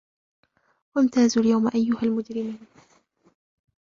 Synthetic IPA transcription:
want̪aːzʊljawmaʔajːʊhalmʊd͡ʒɾɪmuːn

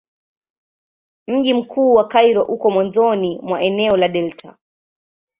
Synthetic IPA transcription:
m̩ʄim̩kʰuːwakaiɾɔʔukɔmwanzɔnimwaʔɛnɛɔlaɗɛltʰa

